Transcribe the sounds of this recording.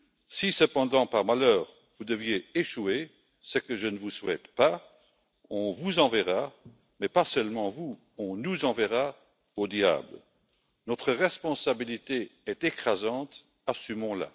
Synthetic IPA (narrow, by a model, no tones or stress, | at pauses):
sisəpɑ̃d̪ɑ̃paʁmalœːʁ | vud̪əvjeeʃue | səkəʒənəvuswɛ̰t̪pa | ɔ̃vuzɑ̃vɛʁa | mɛpasœlmɑ̃vu | ɔ̃nuzɑ̃vɛʁa | od̪ja̰ːbl | nɔt̪χəʁɛspɔ̃sabilit̪eɛt̪ekχazɑ̃t̪ | asymɔ̃la̰